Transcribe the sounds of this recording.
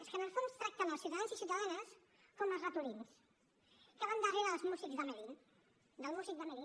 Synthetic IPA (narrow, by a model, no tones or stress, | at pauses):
əskənəlˠfunst̪ɾak̚t̪ənəlˠsjuwt̪aðanzisjuwt̪aðanəs | koməlˠzrət̪uɾins | kəβand̪əriβalˠzmuzikzd̪əməɾi | d̪əlˠmuzik̚d̪əməɾi